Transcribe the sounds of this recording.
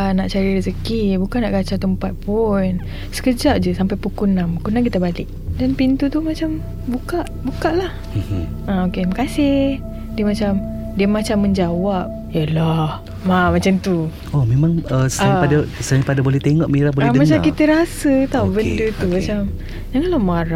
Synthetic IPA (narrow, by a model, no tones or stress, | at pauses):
ənaʔt͡ʃaɾirəsəkibukanːaʔkat͡ʃat̪əmpat̪̚pun | sə̥kəd͡ʒaʔd͡ʒəsampajpukunamukunãŋkit̪abalɪk̚ | danpint̪ut̪umat͡ʃam | bukaʔbukaʔlah̩ | aokemkasɪh | diəmat͡ʃam | diəmat͡ʃamːəɲd͡ʒawap̚ | jəlah | mamat͡ʃamt̪u | omemaŋəsapadasanipadabolɛht̪eŋɔʔmiɾabollɛəmat͡ʃakit̪əɾasət̪awbəndət̪umat͡ʃam | d͡ʒaŋanlahmaɾa